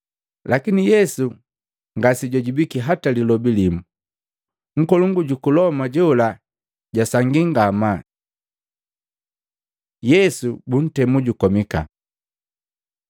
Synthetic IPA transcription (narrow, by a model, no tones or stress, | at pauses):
lʔakinijɛsu | ŋɡasiɟɔɟibikiɦatalilɔbilimu | ŋ̩kɔluŋɡuɟukulɔmaɟɔula | ɟasaŋɡiŋɡama | jɛsubun̩tɛmuɟukɔmika̰